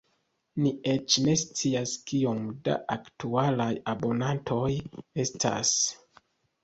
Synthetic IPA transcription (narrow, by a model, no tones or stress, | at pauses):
nie̞t͡ʃne̞st͡siaskio̞mda̰ʔaktualajabo̞nantʰo̞je̞stʰa̰s